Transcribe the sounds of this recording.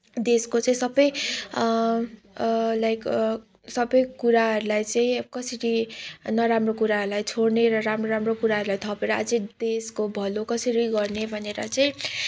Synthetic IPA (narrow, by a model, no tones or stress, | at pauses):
d̪eskot͡saĩsʌbʌj | lajk | sʌbʌjkuɾaɦʌɾulajt͡saĩkʌsʌɾinʌɾamrokuɾaɦʌɾulajt͡sʰoɽneɾʌɾamroɾamrokuɾaɦʌɾulajt̪ʰʌpeɾʌa̰d͡zʌd̪eskobʱʌlokʌsiɾiɡʌrnebʱʌneɾʌ̰t͡saĩ